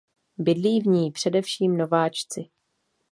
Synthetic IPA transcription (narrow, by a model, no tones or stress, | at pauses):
bɪdliːvɲiːpr̥ɛdɛfʃiːmno̞vaːt͡ʃt͡sɪ